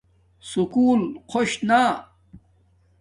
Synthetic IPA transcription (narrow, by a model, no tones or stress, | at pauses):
sukuːlqʰoɕna